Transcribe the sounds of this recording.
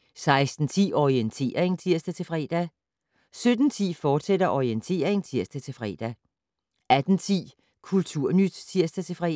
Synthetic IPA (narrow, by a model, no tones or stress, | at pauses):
sɑ̈ɪsd̥n̩t͡sʰḭːɒient͡sʰe̝̰ːɐʁeŋt͡sʰiɐsd̥æt͡sʰe̝fʁɛ̰ːd̥ɛ | sød̥n̩t͡sʰḭːfɒːd̥sed̥ɐʔɒient͡sʰe̝̰ːɐeŋt͡sʰiɐsd̥æt͡sʰe̝lfʁɛ̰ːd̥ɛ | æd̥n̩t͡sʰḭː | kʰult͡sʰuɐ̰nyd̥t͡sʰiɐsd̥æt͡sʰe̝fʁɛ